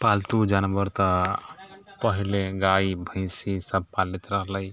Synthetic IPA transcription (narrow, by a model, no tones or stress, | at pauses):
palt̪ud͡ʒanbəɾt̪ə | pəɦileɡaibʱə̃ɪsisəb̚palit̪ɾəɦləj